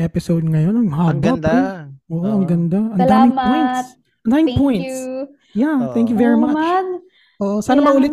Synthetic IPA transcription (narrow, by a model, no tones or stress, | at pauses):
ʔɛpɪsowd̪̚ŋɐjonoŋɦaːbɐp̪ɛʔoːʔoɐŋɡɐnd̪aʔɐnd̪aːmɪ̃ŋpojnt̪s | ʔɐnd̪aːmɪŋpojnt̪s | jat̪ɛŋk̬jʊvɛɹimɐat͡ʃ | ʔoːʔosaːnɐmɐʔuːlɪt̪